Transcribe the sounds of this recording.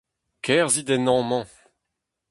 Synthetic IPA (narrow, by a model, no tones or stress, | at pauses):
kʰɛʁzid̪ɛnɑ̃mɑ̃